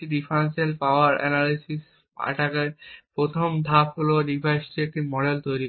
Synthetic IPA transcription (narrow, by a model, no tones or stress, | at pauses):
iɖifʰɾaenselpaoaɾɛ̰nalisis | a̰ʈakeɾpɾot̪ʰomd̪ʱapɦoloɖipʰajsʈiek̚ʈimɔɖelt̪ojɾi